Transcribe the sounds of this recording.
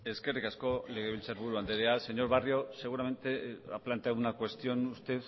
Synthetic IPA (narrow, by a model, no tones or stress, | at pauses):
e̞ske̞rikasko̞le̞ɣ̞e̞β̞ilt͡seɾβuɾuand̪eɾease̞ɲo̞ɾβario̞se̞ɣ̞uɾame̞nt̪e̞a̰plant̪eaðunakwe̞st̪io̞nust̪e̞θ